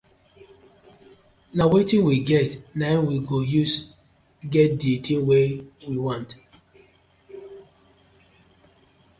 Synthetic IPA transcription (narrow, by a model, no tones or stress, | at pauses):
nawetĩnwiɡɛtnanwiɡojus | ɡɛt̚dietʰĩnwewiwɔ̃nt